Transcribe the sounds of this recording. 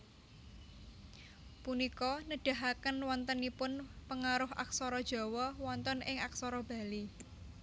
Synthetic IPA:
punikɔnəɖ̥a̤ɦakənwɔnt̪ənipʊnpəŋaɾʊɦʔa̰k̚sɔɾɔd̥ʒ̥ɔ̤wɔwɔnt̪ɔnɪŋaksɔɾɔb̥a̤li

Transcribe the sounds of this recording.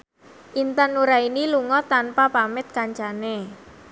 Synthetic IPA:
ʔint̪anuɾainiluŋɔt̪anpapamɪt̪̚kaɲt͡ʃane

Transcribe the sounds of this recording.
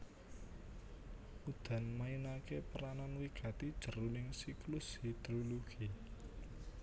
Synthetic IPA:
mud̪̥a̤nmainakepəɾananwiɡ̥ä̤t̪id̥ʒ̥ə̤ɾunɪŋsiklʊshid̪̥ɾoloɡ̥i

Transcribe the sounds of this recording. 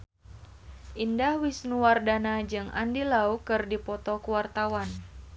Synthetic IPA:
ʔindahwisnuwardanad͡ʒɨŋa̰ndilaukɨrdipɔt̪ɔkuwart̪awan

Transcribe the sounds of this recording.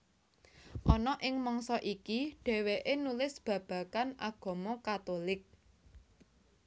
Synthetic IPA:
ʔɔnɔʔɪŋmɔŋsɔʔikiɖ̥ɛ̤weʔenulɪsb̥ä̤b̥ä̤kanʔa̰ɡ̥ɔ̤mɔkat̪olɪk̚

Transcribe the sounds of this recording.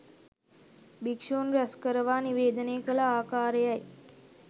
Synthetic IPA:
bikʂoːnɾɐskəɾəʋaːniʋeːd̪əneːkəlɐaːkaːɾəjaj

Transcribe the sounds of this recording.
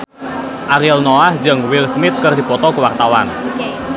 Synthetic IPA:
ʔaɾiɛlnɔahd͡ʒɨŋwɪlsmɪt̪̚kərdi̤pɔt̪ɔkəwart̪awan

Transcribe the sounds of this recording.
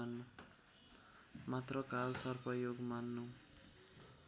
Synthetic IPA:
nː | mat̪rʌkalsʌrpʌjoɡmanːu

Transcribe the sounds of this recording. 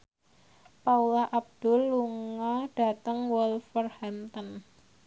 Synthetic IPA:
paulaʔab̚d̥ʊ̤lːuŋaɖ̥a̤t̪əŋwɔlfərhant̪ɔn

